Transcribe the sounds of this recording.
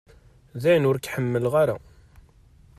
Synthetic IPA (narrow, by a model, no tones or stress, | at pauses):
ðæjənʊɾkħəmːəlʁaɾa̰